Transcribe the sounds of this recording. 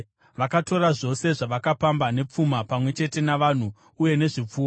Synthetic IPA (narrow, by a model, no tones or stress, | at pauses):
ʋakato̞raʐo̞se̞ʐaʋakapambane̞p͡fumapamwe̞t͡ʃe̞te̞naʋan̤u | uje̞ne̞ʐip͡fuːa